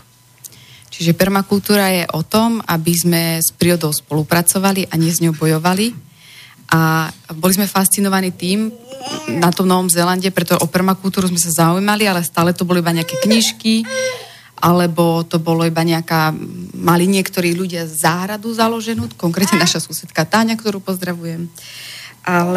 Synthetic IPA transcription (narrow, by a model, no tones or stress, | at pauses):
t͡ʃiʒɛpɛɾmakult̪uːɾajɛʔɔt̪ɔmabizmɛspɾiɾɔd̪ɔʊspɔlupɾat͡sɔʋaliʔaɲɪɛzɲɔʊbɔjɔʋali | ʔabɔlizmɛfast͡sinɔʋaniːt̪iːm | nat̪ɔmnɔʋɔmzɛlanɟɛpɾɛt̪ɔʒɛʔɔpɛɾmakult̪uːɾuzmɛsazaujmalialɛst̪aːlɛt̪ɔbɔlɔibaɲɛakɛkɲiʃki | ʔalɛbɔt̪ɔbɔlɔibaɲɛakaːmaliɲɪɛkt̪ɔɾiːʎuɟɪazaːɦɾad̪uzalɔʒɛnuːkɔŋkɾɛt̪ɲɛnaʃasusɛt̪kat̪aːɲakt̪ɔɾuːpɔzd̪ɾaʋujɛm | ʔal